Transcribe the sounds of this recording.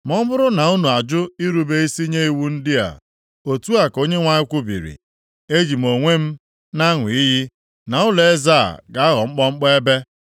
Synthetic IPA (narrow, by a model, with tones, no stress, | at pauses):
mɔ˦mʊ˦ɾʊ˦na˨u˦nu˨a˨d͡ʒʊ˦i˦ɾu˦be˦i˦si˦ɲe˦i˦wu˦n̩˦dɪ˦a̰˨ | o˨tu˦a˨ko˦ɲe˦ŋʷa˦ɲɪ˦kʷʊ˦bḭ˨ɾḭ˨ | e˦d͡ʒi˨m̩˨o˨ŋʷe˦m̩˦ | na˦ŋʷʊ˨i˦ɦi˦ | na˨ʊ˦le˦za̰˦˨ɡa˨a˦ɦɔ˨ŋ͡m̩˦k͡pɔ˦ŋ͡m̩˦k͡pɔ˦e˦be˦